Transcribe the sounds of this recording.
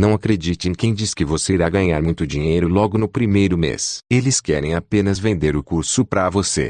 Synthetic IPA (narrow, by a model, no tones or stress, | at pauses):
nɐ̃w̃akɾed͡ʒit̪ẽj̃kẽj̃d͡ʒiskɪvoseɾaɡɐɲaɾmũj̃t̪ʊd͡ʒiɲejɾʊlɔɡʊnʊpɾimejɾʊmḛselɪskɛɾẽj̃apẽnɐzvẽnd̪eɾʊkuɾsʊpɾavosḛ